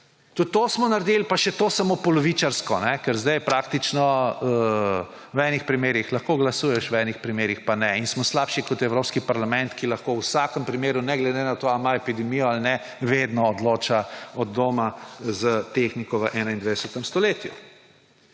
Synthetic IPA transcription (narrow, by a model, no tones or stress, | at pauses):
t̪ut̪ːosmɔnaɾd̪elpaʃɛt̪oːsamopɔlɔʋiːt͡ʃaɾskɔnɛkɛɾzd̪ɛjpɾak̚t̪it͡ʃnɔ | wɛːnixpɾimeːɾixlɐxkoɡlasuːjɛʃwɛnixpɾimeːɾixpanɛinsmɔslaːpʃikɔt̪ɛwɾoːpskipaɾlamɛnt̪kilɐxkowsakəmpɾimeːɾunɛɡlɛd̪enat̪oamaepid̪ɛmijɔalnɛ | ʋed̪nɔːd̪loːt͡ʃaɔd̪̚ːoːmazət̪exnikɔʋəʔɛːnaind̪ʋed̪ɛsət̪əmst̪ɔleːt̪jṵ